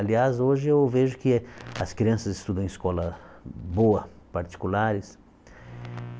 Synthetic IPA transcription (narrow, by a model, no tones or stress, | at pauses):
aliazoʒɪewveʒʊkɪɐskɾiɐ̃sɐzɪst̪ud̪ɐ̃ẽiskɔlɐboɐ | paɾt͡ʃ̪i̥kulaɾɪs